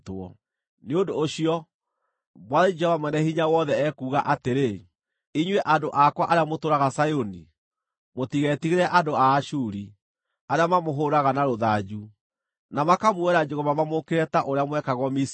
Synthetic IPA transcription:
tɔ̰ | neodoːɕiɔ | mwaðid͡ʒɛhɔvamwɛnɛhiɲawɔðɛɛkuːɣaʔateɾe | iɲwɛʔadoʔakwaʔaɾeamotoɾaɣasajoni | motiɣɛtiɣeɾɛʔadoaːʃuɾi | aɾeamamoɦoɾaɣanaɾoðad͡ʑu | namakamwɛɾad͡ʒeɣomamamokeɾɛtaʔoɾeamwɛkaɣɔmis

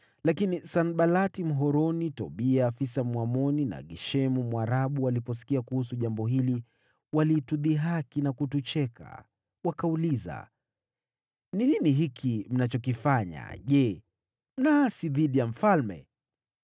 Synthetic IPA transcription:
lakinisanɓalatim̩ɦɔɾɔnitɔɓiaːfisamwamɔnina̰ɡɛʃɛmumwaɾaɓualipɔs̬i̥kiakuhus̬uʄambɔɦili | walituðiɦakinakutut͡ʃɛka̰ | wakauliza̰ | nininiɦikʰim̩nat͡ʃɔkifaɲa̰ʄɛ | m̩nasiðiɗijam̩falmɛ̰

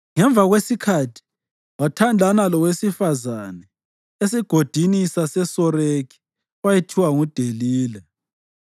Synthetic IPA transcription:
ŋɛɱb̪vʱaɣwesikʰatʰi̥ | watʰandʱanalɔwesifazanɛ | esiɡ̥ʱod̥ʱinisasɛsɔɾekʰi̥ | wajetʰiwaŋud̥ʱeliːlɛ

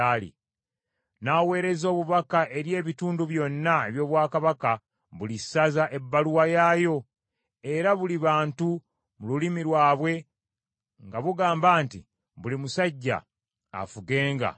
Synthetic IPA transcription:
aːlḭ | nawe̞ːɾe̞zo̞ːβuβakaʔe̞ɾje̞ːβituːnduβjo̞nːaeβjo̞ːβwaːkaβaka | βulisːazaʔe̞bːaluwajaːjo̞ | e̞ɾaβuliβaːntu | mululimiɾwaːβwe̞ | ŋɡaβuɡaːmbaːnti | βulimusaɟːa̰ː | fuɡe̞ːŋɡa̰

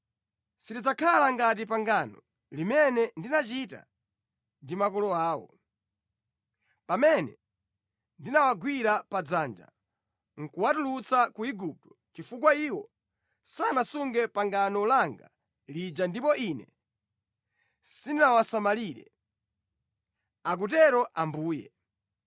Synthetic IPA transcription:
sitid͡zakʰalaŋɡat̬ip̬aŋɡaːnɔ̰ | limɛnɛndinat͡ʃita̰ | ndimakɔlɔaːwɔ̰ | pamɛnɛ̰ | ndinawaɡwiɾapad͡zaːnd͡ʒa̰ | ŋ̩kuwatulut͡sakuiɡup̚tɔ̥ | t͡ʃifuk̬waiːwɔ | sanasuŋɡɛpaŋɡanɔlaŋɡa̰ | lid͡ʒandipɔʔinɛ | sininawasamaliɾɛ̰ | ak̬utɛɾɔʔambuːjɛ̰

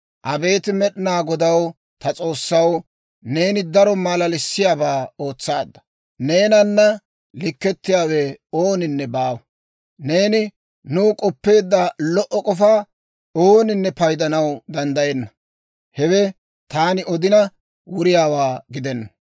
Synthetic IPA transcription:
ʔɐbe̞ːt̪ɪmɛɗɪnaːɡɔd̪ɐw | t̪ɐt͡sʼo̞ːsːɐw | ne̞ːnɪd̪ɐɾɔmɐlɐlɪsːɪjaːbaːo̞ːt͡sːaːd̪ːɐ̥ | ne̞ːnɐnːɐ | lɪkːɛt̪ːɪjaːwɛo̞ːnɪnːɛbaːwɐ | ne̞ːnɪ | nuːkʼɔpːe̞ːd̪ːɐlɔʔɔkʼɔfaː | oːnɪnːɛpɐjd̪ɐnɐwd̪ɐnd̪ɐjɛnːɐ | hɛwɛ | t̪aːnɪɔd̪ɪnɐ | wʊɾɪjaːwaːɡɪd̪ɛnːɐ

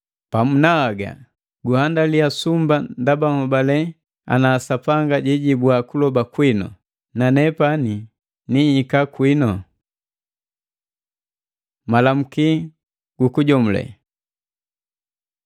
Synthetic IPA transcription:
pamunaːɡa̰ | ɡuhandaliasumbandabaŋɔbalɛ | a̰naːsapaŋɡaɟɛɟibwakulɔbakwinɔ̰ | nanɛpani | nihikakwinɔ | malam̩ki | ɡ̥ukuɟɔmulɛ̰

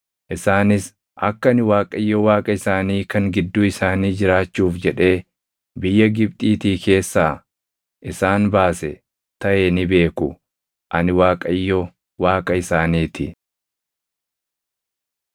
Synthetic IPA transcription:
ʔɪsaːnɪs | ʔɐkːɐɐnɪwaːkʼɐjːɔwaːkʼɐɪsaːniːkɐŋɡɪd̪ːʊɪsaːniːd͡ʒɪɾaːt͡ʃːuːfd͡ʒɛᶑe̞ː | bɪjːɐɡɪb̚t̪ʼiːt̪iːke̞ːsːaː | ʔɪsaːnbaːsɛ̰ | t̪ɐʔe̞ːnɪbe̞ːkʊ | ʔɐnɪwaːkʼɐjːɔ | waːkʼɐɪsaːniːt̪ɪ

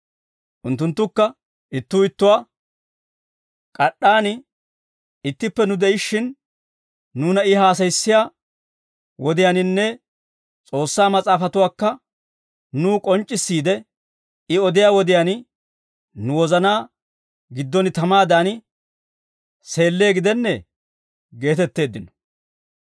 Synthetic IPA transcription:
ʔʊnt̪ːʊnt̪ːʊkːɐ | ʔɪt̪ːuːɪt̪ːʊwaː | kʼɐɗːaːnɪ | ɪt̪ːɪpːɛnʊd̪ɛɪʃːɪnː | uːnɐɪɦaːs̬ɐjsːɪjaː | wɔd̪ɪjaːnɪnːɛ | t͡sʼo̞ːsːaːmɐt͡sʼaːfɐt̪ʊwaːkːɐ | nuːkʼɔnt͡ʃʼːɪsːiːd̪ɛ | ɪɔd̪ɪjaːwɔd̪ɪjaːn | nʊwɔzɐnaː | ɡɪd̪ːɔnɪt̪ɐmaːd̪aːnɪ | se̞ːlːe̞ːɡɪd̪ɛnːɛ | ɡe̞ːt̪ɛt̪ːe̞ːd̪ːɪnɔ̥

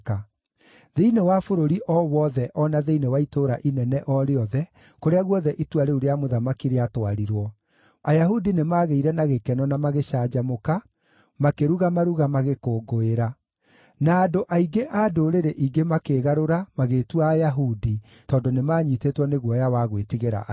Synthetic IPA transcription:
ka | ðeinewafoɾoɾiʔɔwɔðɛʔɔnaðeinewaitoːɾaʔinɛnɛʔɔɾeɔðɛ | koɾeaɣwɔðɛʔitwaɾeuɾeamoðamakiɾeatwaɾiɾwɔ | ajaɦudinemaːɣeiɾɛnaɣekɛnɔnamaɣeɕaːd͡ʑamoka | makeɾuɣamaɾuɣamaɣekoːɡoeɾa | naːdoʔaiɡeʔadoɾeɾeʔiɡemakeːɣaɾoɾamaɣetuaːjaɦudi | tɔːndonemaːɲitetwɔneɣwɔjawaɣwetiɣeɾa̰ʔ

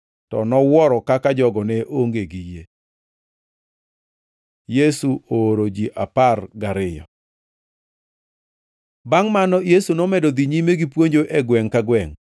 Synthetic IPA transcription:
tɔnɔwɔɾɔkakad͡ʒɔɡɔnɛʔoŋɡeɡije | jesuoɾod͡ʒiʔaparɡaɾɪjɔ̰ | baŋmanɔjesunɔmɛdɔd̪iɲimeɡipwoɲd͡ʒoʔɛɡwɛŋkaɡwɛŋ

